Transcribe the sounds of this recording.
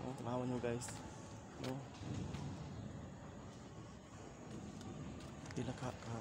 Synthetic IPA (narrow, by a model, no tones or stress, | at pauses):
ʔo̰t̪anawanɲoɡajs | no | ilakaʔka